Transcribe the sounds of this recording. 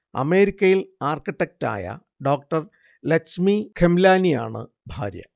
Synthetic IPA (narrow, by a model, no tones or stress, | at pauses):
ɐ̰me̞ːɾikʲːɐjilaːrkiʈːek̚ta̰ːjɐ̰ | ɖoːk̚ʈɐr | lɐsmikʰemlaːnija̰ːɳɨ̰ | bʱa̰ːɾjɐ̰